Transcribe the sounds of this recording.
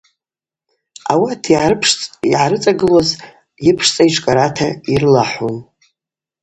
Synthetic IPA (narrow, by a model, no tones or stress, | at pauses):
a̰watʰiʕaɨpʰʂʼiʕaɾɨt͡sʼaɡɨloz | jɪpʰʂt͡sʼaiʈ͡ʂʷʰkʼaɾatʰairɨlaħun